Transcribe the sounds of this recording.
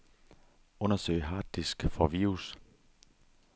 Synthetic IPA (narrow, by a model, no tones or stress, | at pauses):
ɔ̽nɐsø̰ɪɦɑ̈ːd̥isɡ̥fɒʋiːʁus